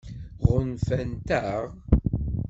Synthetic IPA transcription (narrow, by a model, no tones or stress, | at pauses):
ʁənfænt̪æʁ